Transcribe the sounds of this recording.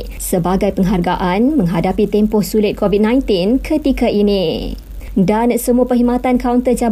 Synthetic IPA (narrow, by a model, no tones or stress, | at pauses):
səbaɡajpəŋɦarɡaʔanmə̃ŋɦadapit̪ɛmpɔhsulɪt̪̚kʰovit̚nãjnt̪inkʰət̪ikaʔini | dansəmuapəɦimat̪ankaunt̪əd͡ʒa